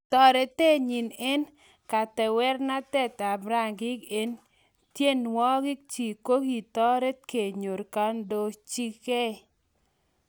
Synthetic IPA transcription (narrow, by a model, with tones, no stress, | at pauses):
tɔ˨ɾe˨te˦ɲi˨nɛ˦n | ka˨tɛ˨wɛ˦rna˦tɛ˦t̪a˨bɾa˦˨ŋɡɪ˦ke˦n | tje˦nwɔ˦ɡɪ˦k̚t͡ʃi˨ko˦ki˨t̪ɔ˦ɾe˦t̚ke˨ɲo˨ɾka˦ndo˨t͡ʃi˦ke˦˨